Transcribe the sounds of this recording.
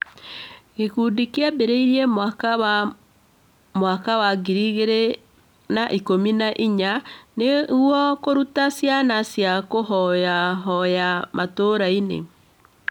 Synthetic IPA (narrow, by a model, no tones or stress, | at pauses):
ɣekudikeabeɾeiɾiɛm | mwakawaɡiɾiɣeɾe | naʔikominaʔiɲaneɣwɔkoɾutasjanasjakoɦɔjaɦɔjamatoɾainḛ